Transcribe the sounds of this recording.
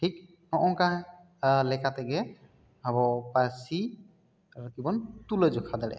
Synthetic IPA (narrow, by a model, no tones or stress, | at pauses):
ʈʰik̚ | nɔʔɔkaɦ | lɛkat̪ɛɡɛ | bʱabɔpasi | ɾkibɔnt̪uled͡ʒɔkʰad̪alɛ̰